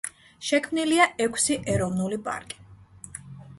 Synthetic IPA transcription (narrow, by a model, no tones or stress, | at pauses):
ʃɛkʰmniliaʔɛkʷʰsiʔɛɾɔvnulipʼa̰ɾkʼi̥